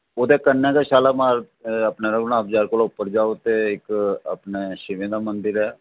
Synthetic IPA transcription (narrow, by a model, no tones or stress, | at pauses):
oːd̪eːkənːɛːkaʃaːlaːmaːɾ | əpnaɾəɡnãːbd͡ʒaːɾkolʊpːəɾd͡ʒaːot̪eːɪkə̰pneːʃɪʋẽːd̪amənd̪ɪɾɛː